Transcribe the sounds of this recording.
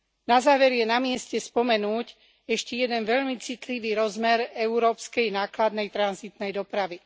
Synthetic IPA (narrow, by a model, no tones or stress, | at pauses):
nazaːʋɛɾjɛnamɪɛscɛspɔmɛnuːc | ɛʃcɛjɛd̪ɛnʋɛʎmit͡sit̪liʋiːɾɔzmɛɾɛuɾɔːpskɛjnaːklad̪nɛjt̪ɾanzit̪nɛjd̪ɔpɾaʋi